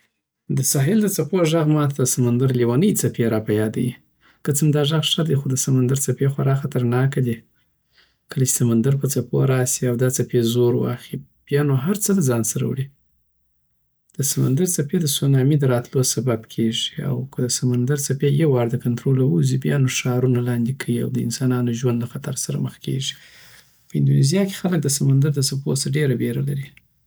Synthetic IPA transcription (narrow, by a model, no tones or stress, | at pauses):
d̪əsɑɦɪld̪ət͡sapoʒaɣmɑt̪ʰasamand̪aɾliwɑnəjt͡sapeɾɑpajɑd̪a̰wi | kət͡səmd̪ɑʒaɣʂad̪exod̪əsamand̪aɾt͡sapexwaɾɑxat̪əɾnɑkad̪i | kəlat͡ʃe̥samand̪aɾpət͡sapo̰ɾɑsiawd̪ɑt͡sapezoɾwɑ̰xib̥jɑnoɦaɾt͡səd̪əzɑnsaɾa̰wɽi | d̪̥əsama̰nd̪aɾt͡saped̪əsonɑmid̪əɾɑt̪losababkʰeʐia̰wkʰəd̪əsamand̪aɾt͡sapejewɑɾd̪əkant̪ɾolawuzibjɑnoʂɑɾunalɑnd̪ekʰajia̰wd̪əɪ̰nsɑnɑnoʒwand̪laxat̪aɾsaɾa̰məxkḛʒi̥ | pəɪnd̪unezjɑke̥xalək̚d̪əsamand̪aɾd̪ət͡sapo̰səɖeɾabeɾalaɾi